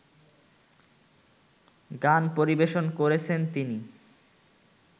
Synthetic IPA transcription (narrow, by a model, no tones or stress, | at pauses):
ɡanpoɾibeʃonkoɾet͡ɕʰent̪ini